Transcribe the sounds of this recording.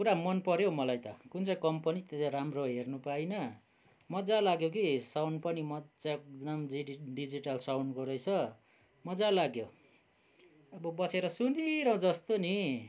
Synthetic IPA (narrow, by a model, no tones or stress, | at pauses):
kuɾamʌnpʌɾjomʌlajt̪ʌkunt͡sʌjkʌmpʌnit̪et̪aɾamroɦernupainʌ | mʌd͡zalaɡjokisawnpʌnimʌd͡zak̚namd͡ziiɖid͡ziʈalsawnkoɾʌjt͡sʰʌ | mʌd͡zalaɡjo | ʌbʌbʌseɾʌsuniɾʌd͡zʌst̪oni